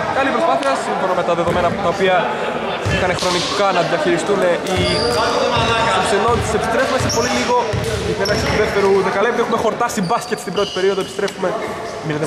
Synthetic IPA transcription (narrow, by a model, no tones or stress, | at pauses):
kɐlipɾo̞spɐθiɐsiɱfo̞nome̞t̪ɐðe̞ðo̞me̞nɐpot̪ɐopiɐ | ikɐne̞xɾo̞nikɐnɐðiɐçiɾist̪une̞ʔi | kɐt̪okseno̞nt̪i̥se̞pist̪ɾe̞fume̞se̞po̞liliɣo̞et̪nenɐksit̪uðeft̪e̞ɾuðekɐlept̪exume̞xo̞ɾt̪ɐsibɐscet̪st̪ibɾo̞t̪i̥pe̞ɾio̞ðoepi̥st̪ɾe̞fume̞ | minet̪e